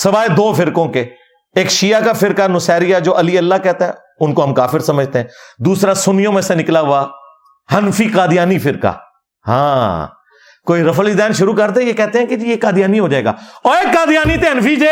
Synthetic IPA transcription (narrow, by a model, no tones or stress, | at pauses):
səʋaːed̪oːfɪɾkõːkeː | eːkʃijaːkaːfɪɾkaːnʊsɛːɾɪjaːd͡ʒoːʔəliːəlːaːkɛːt̪aɦɛ̰ː | ʊnkoɦəmkaːfɪɾsəməd͡ʒʱt̪eɦɛ̃ːd̪uːsɾaːsʊnɪjõːmẽsenɪklaːɦʊaː | hənfʰiːkaːd̪ɪjaːniːpɪɾka̰ː | hã̰ː | koːiːɾəfəlid̪ɛːnʃʊɾuːkəɾd̪ɛ̃jeːkɛːt̪eɦɛ̃ːked͡ʒiːeːkaːd̪ɪjaːniːɦoːd͡ʒaːeːɡa̰ːɔːɾeːkkaːd̪ɪjaːniːt̪eɦənfiːd͡ʒeː